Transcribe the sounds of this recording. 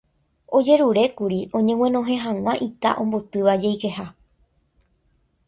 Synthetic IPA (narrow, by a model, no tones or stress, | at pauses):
o̞d͡ʒe̞ɾuɾe̞kuɾiʔõ̞ɲẽ̞wẽ̞nõ̞ɦẽ̞ɦãw̃ãʔit̪a̰ʔõ̞mbo̞t̪ɨʋad͡ʒejke̞ha